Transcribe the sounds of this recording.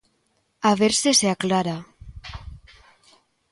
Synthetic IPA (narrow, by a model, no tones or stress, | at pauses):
aβeɾseseaklaɾa